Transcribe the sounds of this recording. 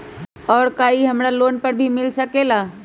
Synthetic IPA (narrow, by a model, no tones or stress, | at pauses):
ɔːɾkaːiɦɐmɽaloːnpəɾbʱimɪlsəkelaː